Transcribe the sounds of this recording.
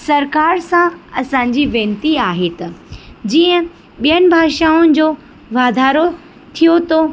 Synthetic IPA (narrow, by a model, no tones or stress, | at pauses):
sɐɾkaːɾsãɐsãːɲ̆d͡ʑiʋẽːnt̪iaːɦet̪ɐd͡ʑiːə̃ | ɓijənɪ̆bʱaːʃaːʊnɪ̆d͡ʑoː | ʋaːd̪ʱaːɾo | t̪ʰijot̪oː